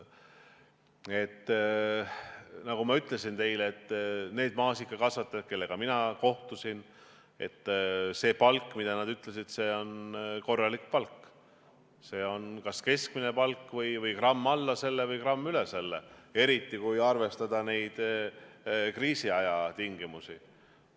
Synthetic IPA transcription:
e̞t̪ː | nɑɡ̥umɑyt̪ˑle̞sint̪e̞jleːt̪ːne̞ːd̪mɑːsikːˑɑkɑsvɑt̪ːˑeke̞lːe̞ɡ̥ɑminɑko̞ht̪usin | e̞̰t̪ːˑse̞ːpɑlkːˑmid̪̥ɑnɑd̪yt̪ˑle̞sid̪̥se̞ːo̞nko̞rːɑlikpɑlkːˑ | se̞ːo̞nkɑske̞skmine̞pɑlkːˑvɤjvɤjkrɑmːɑlːɑse̞lːevɤjkrɑmːyle̞selːee̞ɾit̪ːˑikujɑrve̞st̪ɑd̪̥ɑne̞jd̪̥ | kriːsiɑjɑt̪iŋɡ̥imusi

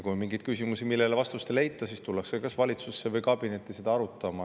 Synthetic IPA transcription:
kumiŋɡijd̪̥̚kysimusimilːe̞levɑst̪ust̪ele̞jt̪ːˑɑsiːst̪ulːɑksekɑsvɑlʲit̪susːe̞vɤjkɑb̥ine̞t̪ːˑise̞d̪ɑɑɾut̪ːˑɑmɑ

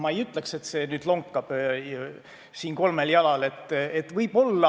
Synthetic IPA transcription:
mɑejyt̪ˑlekse̞t̪ːse̞ːnyːd̪̥loŋkːɑb̥ | siːnko̞lme̞ljɑlɑle̞t̪ːˑet̪ːˑvɤjb̥o̞lːɑ

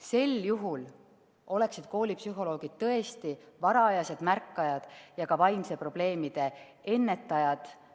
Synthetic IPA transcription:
se̞ljuɦul | o̞le̞ksid̪̥ko̞ːlipsyɦo̞lo̞ːɡ̥id̪̥̚t̪ːɤ̞e̞st̪ivɑɾɑɑjɑse̞d̪̥mærkːɑjɑd̪̥jɑkɑvɑjmse̞pro̞b̥le̞ːmid̪̥e̞ | e̞nːe̞t̪ːˑɑjɑd̪̥

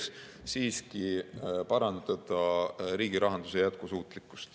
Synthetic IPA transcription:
s | siːskipɑɾɑnd̪d̪ɑd̪̥ɑɾiːɡ̥iɾɑɦɑnd̪̥usejæt̪̚kusuːt̪ˑlikːˑu̥st̪

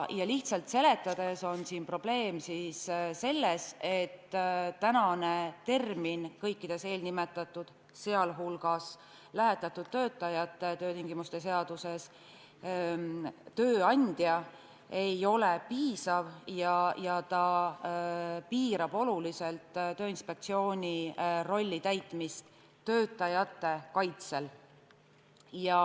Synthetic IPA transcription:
jɑliht̪sɑlt̪se̞le̞t̪ːˑɑd̪̥e̞so̞nsiːnpro̞b̥le̞ːmsisse̞lːe̞se̞t̪ːt̪ːænɑne̞t̪e̞rminkɤjkːid̪̥e̞se̞ːlnime̞t̪ːˑɑt̪ːˑud̪̥ | se̞ɑlɦulɡ̥ɑs | læɦe̞t̪ːˑɑt̪ːˑud̪̥̚t̪ːø̞ːt̪ːˑɑjɑt̪ːet̪øːt̪iŋɡ̥imust̪e̞se̞ɑd̪̥use̞s | t̪øːɑnʲd̪̥jɑ | e̞jo̞lepiːsɑvjɑjɑt̪ɑ | piːɾɑb̥o̞lulise̞lt̪t̪ø̞ːinspe̞k̚t̪sio̞ːnʲiro̞lʲːit̪æjt̪ːˑmist̪ | t̪ːø̞ːt̪ːˑɑjɑt̪ːˑe̞kɑjt̪se̞l | jɑ

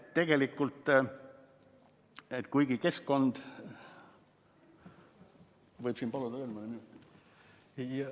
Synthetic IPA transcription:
tt̪e̞ɡ̥e̞likːˑult̪ːˑ | et̪kujɡ̥ike̞skko̞nd̪̥ | vɤjb̥siːnpɑlud̪̥ɑelmɑleminut̪ː

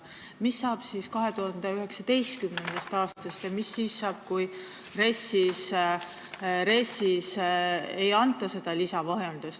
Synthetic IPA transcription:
misːɑːb̥siːskɑɦe̞t̪uhɑnd̪eyɦe̞ksɑt̪e̞jst̪kymne̞nd̪̥ɑst̪ɑːst̪ɑst̪jɑmisːiːsːɑːb̥kuj | re̞sis | ɾe̞sisejɑnt̪ːˑɑse̞d̪̥ɑlisɑvɑɦjend̪̥ust̪

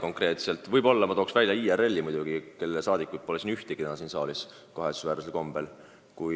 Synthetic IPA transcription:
ko̞ŋkre̞ːt̪se̞lt̪ːˑvɯjbo̞lːɑmɑt̪oːksvælʲjɑiːere̞lʲːimujd̪̥uɡ̥ike̞lːesɑːd̪̥ikːˑut̪̚po̞lesinyht̪eɡ̥it̪enɑsiːnsɑ̰ːlis | koɦesu̥svæːɾuselko̞mb̥e̞l | kuj

